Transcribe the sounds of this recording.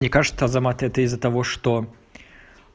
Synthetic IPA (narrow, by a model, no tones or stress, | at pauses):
nʲɪkaʐɨ̥t̪səɐzɐmat̪ɛt̪əɪzːət̪ɐvoʂt̪o